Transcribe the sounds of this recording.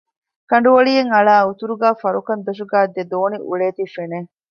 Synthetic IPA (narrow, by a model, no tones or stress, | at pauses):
kɐɳɖuʋɐɭijeŋɐɭaːut̪uɾuɡæːfɐɾukɐnd̪eʃ̬uɡaːd̪ːed̪oːniʔṵɭeːt̪ifene